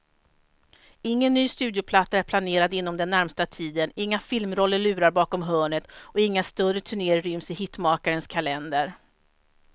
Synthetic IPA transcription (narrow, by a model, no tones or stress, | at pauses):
ɪŋːənːyːst̪ʉ̟ːd̪jʊpʰlat̪ːaæɾpʰlaneːɾad̪ɪnːɔmd̪ɛnːæɾmst̪at̪ʰiːd̪ənɪŋːafɪlmɾɔlːəɭʉ̟ːɾaɾbɑːkɔmɦœːɳət̪ɔɪŋːast̪œrːət̪ʰɵɳeːɾɾʏmsɪhɪt̪ːmɑːkaɾənskʰalɛnd̪əɾ